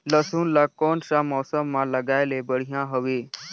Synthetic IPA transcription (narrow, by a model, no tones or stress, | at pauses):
ləsuːnlakɔnsamɔːsəmːãləɡajlebəɽ̤ijãɦəʋe